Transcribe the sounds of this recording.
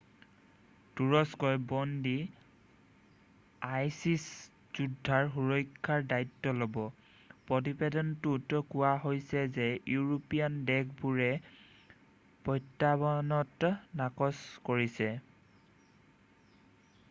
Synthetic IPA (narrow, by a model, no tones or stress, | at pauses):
tuɹɔskɔjbɔndi | ajsis | z̥udʱːaɹxuɹɔjkʰːaɹdajtːɔlobɔ | pɹɔt̬ibedɔntutkʊwaɦojsɛzɛjuɹopiandɛkʰbuɹɛ | pɔjtːabɔnɔtnakɔskoɹisɛ